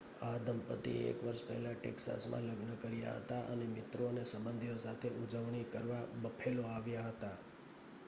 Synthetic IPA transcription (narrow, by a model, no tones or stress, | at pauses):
ad̪ʱəmpət̪ḭḛkʋəɾʃpɛ̰ɦlaʈḛksa̰smã̰ləɡnəkəɾja̰ɦə̰t̪aʔə̰nemɪt̪ɾonesəbənd̪ʱijosat̪ʰeʔud͡ʒəʋɳ̃ikəɾʋabəpʰeloaʋjaɦət̪a